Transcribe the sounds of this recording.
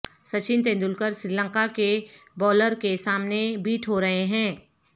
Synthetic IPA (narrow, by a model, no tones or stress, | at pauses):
sɐt͡ʃɪnt̪̬ẽːnd̪ʊlkəɾsɾiːlə̃ŋkakebɔːləɾkesaːmnebiːʈʰɦoɾɐɦeɦɛ̃ː